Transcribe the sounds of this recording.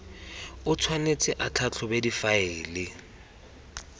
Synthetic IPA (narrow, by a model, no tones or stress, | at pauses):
ʊt͡sʰwanet͡sʰʼɪʔat͡ɬʰat͡ɬʰɔbedifaeːlɪ